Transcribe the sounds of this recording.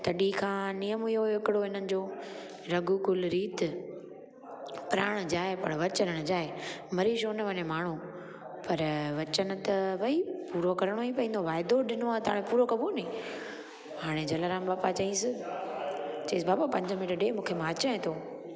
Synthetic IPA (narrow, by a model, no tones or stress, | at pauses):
t̪ɐɗikʰãːnijəmijoɦɪkɪɽoɦɪn̤ənɪ̆d͡ʑoː | ɾɐɡukʊlɾiːt̪ | pɪɾaːɽ̃d͡ʑaːepɐɽ̃ʋɐt͡ɕənənd͡ʑaːemɐɾiʃoːnɐʋɐɲemaːɳ̤u | pɐɾʋɐt͡ɕənʊ̆t̪ɐʋɐɦipuːɾokɐɾəɽ̃oĩpɐĩnd̪oʋaːɪd̪oɗɪnoat̪ɐaːɽ̃ẽpuːɾokɐbuːlnĩː | haːɽ̃ed͡ʑɐləɾãːmbaːpat͡ɕɐɦĩsɪ | t͡ɕɐĩːs̬baːbapɐ̃ɲd͡ʑəmɪʈəɖemũːkʰemãɐt͡ɕaɦẽt̪ʰoː